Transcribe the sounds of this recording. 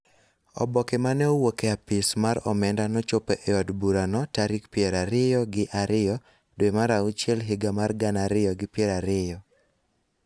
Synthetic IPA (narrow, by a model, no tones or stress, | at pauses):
ɔ̰bɔkemanɛowokeapɪsmaɾɔmɛndanɔt͡ʃopeʔɛɔdbuɾanɔtaɾikpjɛɾaɾɪjɔɡɪʔaɾɪjɔ | dwemaɾaut͡ʃjɛlɦɪɡamarɡanaɾɪjɔɡɪpjɛɾaɾɪjɔ